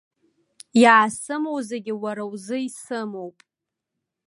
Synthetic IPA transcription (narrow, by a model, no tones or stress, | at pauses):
jaːsɨmowzeɡʲɪwaɾawzɨisɨmowpʼ